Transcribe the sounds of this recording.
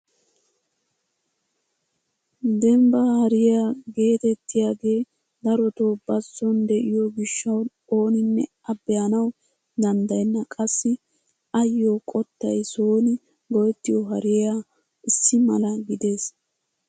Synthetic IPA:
d̪ɛmbɐhɐɾɪjaːɡe̞ːt̪ɛt̪ːɪjaːɡe̞ː | d̪ɐɾɔt̪o̞ːbɐsːɔnd̪ɛʔɪjoɡɪʃːɐw | o̞ːnɪnːɛ | ɐbːɛjɐnɐw | d̪ɐnd̪ɐjɛnːɐkʼɐsːɪ | ɐjːoːkʼɔt̪ːɐjsoːnɪ | ɡɔjɛt̪ːɪjɔɦɐɾɪjjaː | ʔɪsːɪmɐ̰lɐɡɪd̪e̞ːs

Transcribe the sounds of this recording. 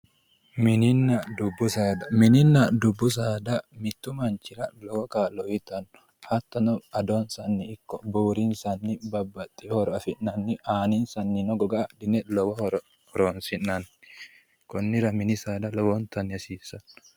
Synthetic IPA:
mɪnɪnːɐd̪ʊbːʊsaːd̪ɐmɪnɪnːɐd̪ʊbːʊs̬aːd̪ɐmɪt̪ːʊmɐnt͡ʃːɪɾɐlɔwɔkaːlɔwɪt̪ɐnːɔ̥ | hɐt̪ːɐnɔɐd̪onsɐnːɪɪkːɔbuːɾɪnsɐnːɪbɐbːɐt̪ʼːɪhɔɾɔɐfɪnːɐnːɪʔaːnɪnsɐnːɪnɔɡɔɡɐd̪ɪnɛlɔwɔhɔɾɔ | hɔɾoːnsɪnːɐn | kɔnːɪɾɐmɪnɪsaːd̪ɐlɔwɔnt̪ɐnːɪɐsiːsːɐn

